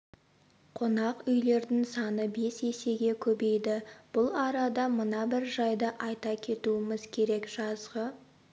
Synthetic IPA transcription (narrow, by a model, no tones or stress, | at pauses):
qʰonɑqʏjle̞ɾd̪ɪŋsɑnəbe̞se̞se̞ɡʲe̞kʲʰɵbe̞jd̪ɪb̥ʊlˠɑɾɑd̪ɑmənɑbɪɾʒɑjd̪ɑʔɑjt̪ɑkʲʰe̞t̪uɪmɪzkʲʰe̞ɾe̞kʒ̥ɑzʁə